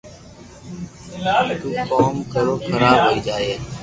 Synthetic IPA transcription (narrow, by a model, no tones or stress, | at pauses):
koːmkəɾoːkʰəɾaːbɦoːiːd͡ʒaːeː